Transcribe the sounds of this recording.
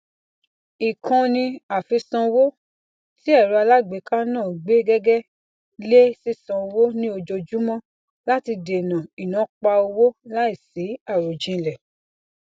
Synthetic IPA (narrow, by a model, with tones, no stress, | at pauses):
i˨kʰã˨˧nĩ˧a˨fi˧sã˧wo˦ | ti˦ɛ˦˨ɾu˧˦a˧la˦ɡ͡be˨˦kã˦nãː˦˨ɡ͡be˨˦ɡɛ˦ɡɛ˦ | le˦si˦sã˧o˧wo˦nĩ˦o˧d͡ʒo˧d͡ʒu˦mɔ̃˦ | la˦ti˧de˨nã˨i˨nã˨˦k͡pa˧o˧wo˦la˦i˦˨si˨˦a˦˨ɾo˨d͡ʒĩ˧˨lɛ˨